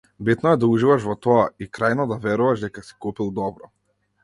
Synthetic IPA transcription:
bit̪nɔɛd̪auʒivaʃvɔt̪ɔaikɾajnɔd̪avɛɾuvaʒd̪ɛkasi̥kupilˠd̪ɔbɾɔ

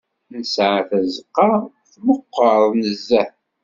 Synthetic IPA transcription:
nəsʕaθæzəqːɑˤ | θməqːəɾˤnəzːæ

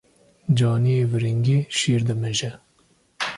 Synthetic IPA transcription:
d͡ʒɑːnijeːvɨɾiŋɡeːʃiːɾd̪ɨmɛʒɛ

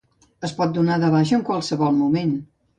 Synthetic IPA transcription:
əspɔt̪̚d̪unaðəβaʃ̬əːŋkwalˠsəβɔlˠmumen

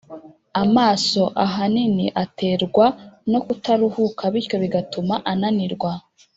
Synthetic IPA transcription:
amaːso̞ʔaɦaniniʔatʰe̞ːɾɡwano̞kutaɾuhukaβiɾco̞βiɡatumaʔananiɾɡwa

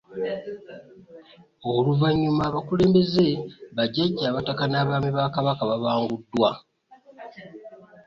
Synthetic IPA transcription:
oluvaɲːumaːβakule̞ːmbe̞ze̞βaɟaɟaːβatakanaːβaːmiβakaβakaβaβaːŋɡudːwa

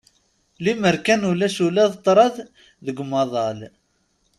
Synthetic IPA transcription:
liməɾkænulæʃulæðt̪ˤːɾˤɑð | ðəɡmɑðˤɑl

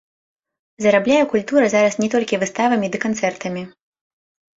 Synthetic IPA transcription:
zɐɾablʲajɛkulʲt̪uɾɐzaɾɐsnʲɛt̪ɔlʲkʲivɨst̪avɐmʲid̪ɨkant̪sɛrt̪ɐmʲi

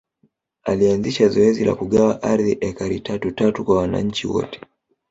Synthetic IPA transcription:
alianziʃazɔɛzila̰kuɠawaʔaɾðiʔɛkaɾitʰatutatukwawana̰ɲ̩t͡ʃiwɔ̰tɛ̥

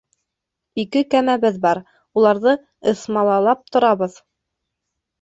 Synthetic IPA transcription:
ikɘkæmæβɘðbɑɾ | ulˠɑɾðɤ | ɤ̆smɑlˠɑlˠɑp̚t̪ŏɾɑβɤð

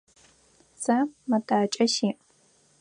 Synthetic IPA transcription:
samɐdʰaːt͡ʃʼɐʃiːʔ

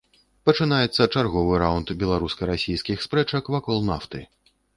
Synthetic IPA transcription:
pɐt͡ʂɨnajɛt̪sːɐt͡ʂarɣɔvɨɾawnt̪bʲɛlˠaɾuskɐɾasʲijskʲixspɾɛt͡ʂɐkvakɔlˠna̰ft̪ɨ

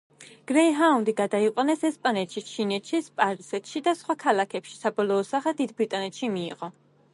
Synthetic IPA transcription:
ɡ̥ɾɛiɦaund̪iɡad̪aiqʼwanɛsɛspʼanɛt̪ʃit͡ʃʰinɛt̪ʃispʼaɾizɛt̪ʃid̪asχwakʰalˠakʰɛpʃi̥sabɔlˠɔːsaχɛd̪id̪bɾit̪ʼanɛt̪ʃimḭːʁɔ

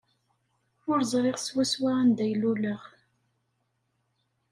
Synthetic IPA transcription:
ʊɾzˤɾˤeʁswæswaænd̪æjluləʁ

